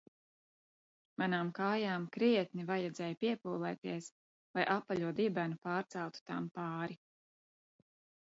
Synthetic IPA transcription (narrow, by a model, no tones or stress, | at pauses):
manaːmkaːjaːmkɾiɛt̪̚nivajɛd̪zɛːjpiɛpuːlˠɛːt̪iɛs | lˠajʔapːaʎʲuɔd̪ibænupaːɾt̪sɛwt̪u̥t̪a̰mpaːɾi